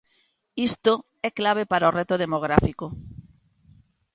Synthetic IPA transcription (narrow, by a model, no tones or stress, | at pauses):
ist̪o | ɛklaβ̞epaɾaorɛt̪oð̞emoɣ̞ɾafiko